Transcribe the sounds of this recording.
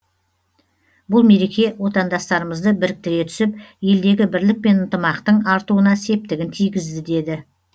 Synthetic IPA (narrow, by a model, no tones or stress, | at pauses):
bʊlˠme̞ɾe̞kʲe̞wo̞t̪ɑnd̪ɑst̪ɑɾəməzd̪əbɪɾɪk̚t̪ɪɾe̞t̪ʰʏ̥sɪpje̞ld̪e̞ɡʲɪbɪɾlɪk̚pe̞nənt̪əmɑqt̪əɴɑɾt̪uwənɑse̞p̚t̪ɪɡʲɪnt̪ʰijɡʲɪzd̪ɪd̪e̞d̪ɪ